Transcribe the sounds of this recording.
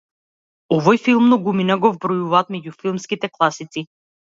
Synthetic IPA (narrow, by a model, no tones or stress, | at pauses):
ɔvɔjfilˠmnɔɡuminaɡɔvbɾɔjuvaːt̪mɛɟufilˠmskit̪ɛklˠasit̪si